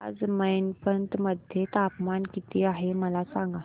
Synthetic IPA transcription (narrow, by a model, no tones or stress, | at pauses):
a̰d͡zməjnpənt̪məd̪ʱjet̪apmankit̪iːaɦeməlasãŋɡa